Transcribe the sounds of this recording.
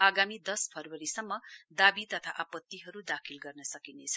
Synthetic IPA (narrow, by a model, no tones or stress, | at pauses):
aɡamid̪ʌspʰʌrwʌɾisʌmːʌd̪abit̪ʌt̪ʰaʔapʌt̪ːiɦʌɾud̪akʰilɡʌrnʌsʌkinet͡sʰʌ